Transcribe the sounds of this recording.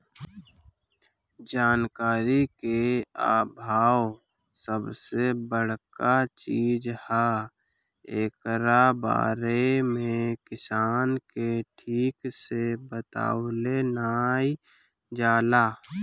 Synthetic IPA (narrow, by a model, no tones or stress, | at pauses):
d͡ʒaːnkaːɾikeaːbʱaːw | səbsebəɽ̤kat͡ʃiːd͡ʒha | eːkɾaba̰ːɾemẽkɪsaːnkeʈʰiːksebət̪a̰ːwlenaːi | d͡ʒaːlaː